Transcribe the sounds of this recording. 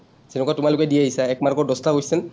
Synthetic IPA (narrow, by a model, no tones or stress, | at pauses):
senukatʊmalʊkɛdiaɦisaɛk̚maɹkɔɹdɔstakojsɛn